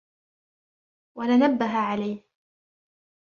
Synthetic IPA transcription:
walanabːaɦaʕalajh

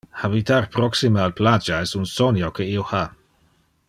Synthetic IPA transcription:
habitarpɾɔksimealplad͡ʒaɛsunsɔnjokʰeioha

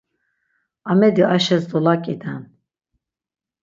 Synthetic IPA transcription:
ɑmɛd̪iʔɑʃɛzd̪ɔlakʼid̪an

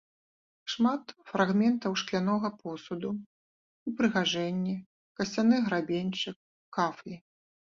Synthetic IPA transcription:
ʂmat̪fɾʔaɣmʲɛnt̪ɐwʂklʲanɔɣɐpɔsud̪u | upɾɨɣaʐɛnʲːɛ | kɐsʲt͡sʲanɨɣɾabʲenʲt͡ʂɨk̚ː | aflʲi

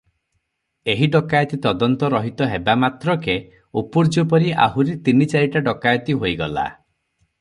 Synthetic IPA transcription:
eɦiɖɔkajɔt̪it̪ɔd̪ɔnt̪ɔɾɔɦit̪ɔɦebamat̪ɾɔke | upuɾd͡ʒopɔɾiʔa̰ɦuɾet̪init͡ʃaɾiʈaɖɔkajɔt̪iɦojɡɔla̰

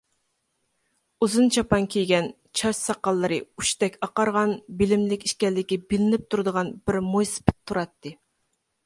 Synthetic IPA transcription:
uzɨnt͡ʃʰɑpɑŋkʲʰejɡʲɛn | t͡ʃʰɑʃsɑqːɑlˠːɨɾɨu̥ʃt̪ɛkʲɑqɑɾʁɑnbɪlɪmlɪkʲi̥ʃkʲɛlːɪkʲibɪlɪnɪp̚t̪ʰuɾɨd̪əʁɑnbɪɾmojspʰɪ̥t̪̚t̪ʰːuɾɑt̪ʰːɨ

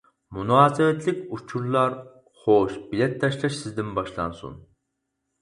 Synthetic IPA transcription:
munɑːsɨvɛt̪ʰlɪkʲut͡ʃʰuɾlˠɑɾ | χoʃbilɛt̪ʰːɑʃlˠɑʃsɪzd̪ɪnbɑʃlˠɑ̰nsṵn

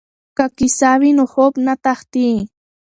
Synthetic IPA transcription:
kakisaβinohopnat̪ɑχt̪iː

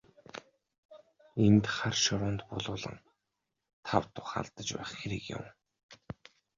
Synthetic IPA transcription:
ent̪χarʃɔɾʊːnt̪pʊɮʊːɮə̰̆ŋ | t̪ʰawt̪ʊχa̰ɮt̪ə̆t͡ɕpæ̰ːχxeɾikjʊ̰m

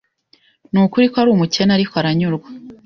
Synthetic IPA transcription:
nuːkuɾikoaɾuːmuce̞naɾikʰoaɾaɲuɾɡwḁ

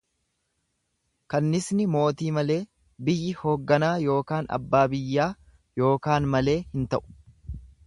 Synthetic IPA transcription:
kɐnːɪsnɪmo̞ːt̪iːmɐle̞ː | bɪjːɪho̞ːɡːɐnaːjo̞ːkaːnɐ̰bːaːbɪjːaː | jo̞ːkaːnmɐle̞ːhɪnt̪ɐʔʊ̥

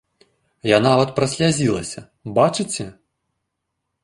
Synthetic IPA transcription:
janavɐt̪̚pɾɐsʲlʲazʲilˠɐ̰sʲɐ | bat͡ʂɨt͡sʲɛ

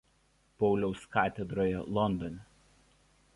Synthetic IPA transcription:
pɔʊlʲɛʊskɑːt̪ʲɛd̪ɾoːjɛ̰lˠɔnd̪ɔnʲɛ

